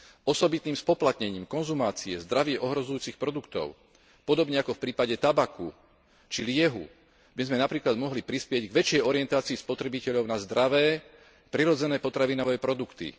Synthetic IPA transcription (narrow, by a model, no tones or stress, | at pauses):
ɔsɔbit̪niːmspɔplat̪ɲɛɲiːmkɔnzumaːt͡siɛzd̪ɾaʋɪɛʔɔɦɾɔzujuːt͡sixpɾɔd̪ukt̪ɔ̰ʊ | pɔd̪ɔbɲɛakɔfpɾiːpaɟɛt̪abakṵ | t͡ʃilɪɛɦṵ | bizmɛnapɾiːklad̪mɔɦlipɾispɪɛɟɡʋɛt͡ʃɪɛjɔɾiɪɛnt̪aːt͡siispɔt̪ɾɛbicɛʎɔʊnazd̪ɾaʋɛː | pɾiɾɔd͡zɛnɛːpɔt̪ɾaʋinɔʋɛːpɾɔd̪ukt̪ḭ